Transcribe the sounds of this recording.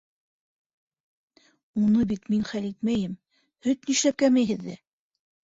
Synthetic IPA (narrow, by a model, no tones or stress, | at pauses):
unɤbit̪minχælit̪̚mæjɘm | hɵt̪niʃlæp̚kæmæjɦɘ̆ðːæ